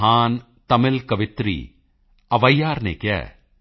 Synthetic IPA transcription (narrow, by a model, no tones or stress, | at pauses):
ɦaːn | t̪ɐmɪlkɐʋɪt̪ɾḭ | ɐʋɐjːaːɾnḛkɐ̰